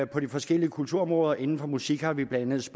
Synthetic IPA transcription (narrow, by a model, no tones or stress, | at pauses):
pʰɒ̽d̥ifɒ̽sɡ̥el̰iəkʰult͡sʰuɐɒ̽mʁɔːð̞ˠɐʔe̝nn̩fɒ̽musiɡ̥hɑ̈ʋib̥lænəð̩ˠsb̥